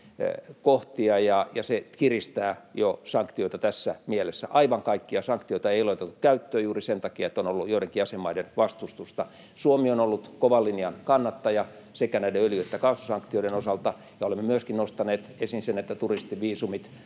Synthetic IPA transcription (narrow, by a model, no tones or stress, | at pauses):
koht̪iɑjɑjɑsekirist̪æːjosɑŋkt̪ioit̪ɑt̪æsːæmielesːæ̰ʔɑiʋɑŋkɑikːiɑsɑŋkt̪ioit̪ɑeiloit̪et̪ːu̥kkæyt̪ːøːjuːrisent̪ɑkiɑet̪ːonolːujoiɾeŋkiɑsemːɑidenʋɑst̪ust̪ust̪ɑ | suomionolːut̪koʋɑlːiniɑnkɑnːɑt̪ːɑjɑ | sekænæideøljøt̪ːækɑːsusɑŋkt̪ioiɾenosɑlt̪ɑ | jɑolemːemyøskinnost̪ɑneːt̪esinsenet̪ːæt̪urist̪iʋiːsumit̪